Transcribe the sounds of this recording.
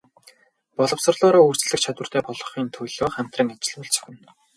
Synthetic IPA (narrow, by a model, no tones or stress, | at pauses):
pɔɮɞ̆wsɞ̆rɮʊːɾɔːur̥t͡ɕ̆ɮɘ̆kt͡ɕʰat̪wə̆r̥t̪æːpɔɮɞ̆χiːnt̪ʰɵjɮoːχæm̥t̪rə̆ŋat͡ɕɪ̆ɮpʊɮt͡sœ̥̆xʲɘ̆n